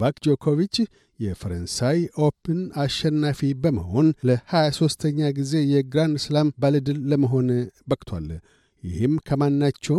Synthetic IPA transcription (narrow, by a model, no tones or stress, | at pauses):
vakd͡ʒo̞kʰo̞vit͡ʃː | jɛfəɾənsajo̞pʰɨnaʃɛnːafibəmə̰ho̞nləhajaso̞st̪ʰəɲːaɡize̞jɛɡɾand̪ɨslambalɨd̪ɨlːəməɦo̞nbəkʼt̪ʰwa̰l | jɪ̰hɨmkʰəmanːat͡ʃːɛw